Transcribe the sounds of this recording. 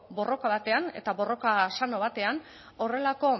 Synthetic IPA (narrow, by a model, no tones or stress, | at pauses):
bo̞ro̞kaβat̪e̞ane̞̰t̪aβo̞ro̞kasano̞β̞at̪e̞an | o̞re̞lako̞